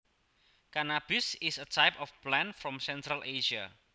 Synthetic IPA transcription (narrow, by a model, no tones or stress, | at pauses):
kanab̥ɪsɪsətajpɔfplɛ̃nfɾɔmsɛnt̪ɾalʔeʃa̰